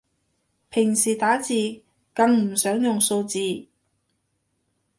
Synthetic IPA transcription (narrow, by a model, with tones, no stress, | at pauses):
pʰɪ˨˩ŋsiː˨˩t̪aː˨˥t͡siː˨ | kɐ˧ŋm̩˨˩sœː˨˥ŋjʊ˨ŋso˧wt͡siː˨˧